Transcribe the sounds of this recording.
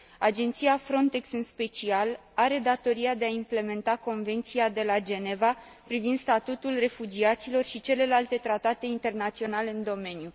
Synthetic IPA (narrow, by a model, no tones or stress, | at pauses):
ad͡ʒe̞nt̪siafɾo̞nt̪e̞ksɨnspe̞t͡ʃial | aɾe̞d̪at̪o̞ɾiad̪e̞aimple̞me̞nt̪ako̞nve̞nt̪siad̪e̞lad͡ʒe̞ne̞va | pɾivind̪st̪at̪ut̪ulre̞fud͡ʒiat̪silo̞rʃit͡ʃe̞le̞lalt̪e̞t̪ɾat̪at̪e̞int̪e̞rnat̪sio̞nale̞ɨnd̪o̞me̞nju